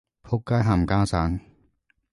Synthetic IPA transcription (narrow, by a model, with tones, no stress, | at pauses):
pʰo˦˥kːaː˥˩ɦa˨˩mkaː˥˩saː˨˦˥n